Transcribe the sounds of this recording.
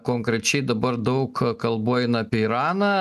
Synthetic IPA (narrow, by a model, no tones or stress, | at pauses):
koːŋkɾʲɛt͡ʃʲɛɪd̪ɐbɐrd̪ɐʊkkɐlˠboɔjɪnɐːpʲiɛiɾɑːnɑː